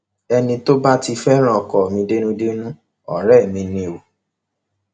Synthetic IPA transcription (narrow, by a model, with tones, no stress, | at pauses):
ɛ˧nĩ˧to˦ba˦ti˧fɛ˦ɾ̃ã˦ɔ˨kɔ˨mĩ˧de˦nũ˦de˦nũ˦ | ɔ̰˨ɾɛ˦˨mĩ˧nĩ˧o˨